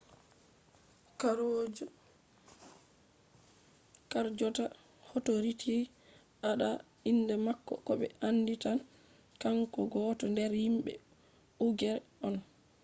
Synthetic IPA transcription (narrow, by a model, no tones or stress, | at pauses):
kaɾod͡ʒ | kaɾd͡ʒɔta | hɔtoɾitʰi | ʔaɗa | inːdɛmakːɔ̰kɔɓɛ̰ʔanːditan | kaŋkɔɡɔːtɔndɛɾhimɓɛ̰ | uɡɛɾɔn